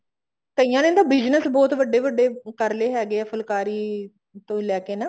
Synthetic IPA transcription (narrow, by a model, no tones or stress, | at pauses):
t̪əijãːnẽnd̪aːbɪd͡ʒnəsbɔːt̪ʋəɖeːʋəɖːeːkəɾleːɦɛːɡeːəfʰəlkaːɾiː | t̪õːlɛːkeːnaː